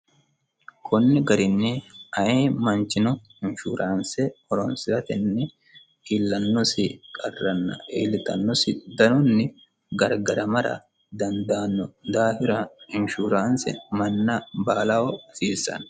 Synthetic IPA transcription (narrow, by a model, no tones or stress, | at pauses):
kʰɔnːɪɡɐɾɪnːɪɐjeːmɐnt͡ʃɪnɔhɪnʃṵːɾʔaːnsɛɔɾɔnsɪɾɐt̪ɪnːɛ | ɪlːɐnːɔsɪkʼɐrːɐnːɐ̰ḛːlɪt̪ɐ̰nːɔsɪd̪ɐnɔnːɪ | ɡɐɾɡɐɾɐmɐɾɐ̰ | d̪ɐnd̪aːnːɔd̪aːhɪɾɐɪnʃuːɾaːnsɛ̰mɐnːɐbaːlɐwɔsiːsːɐ̰n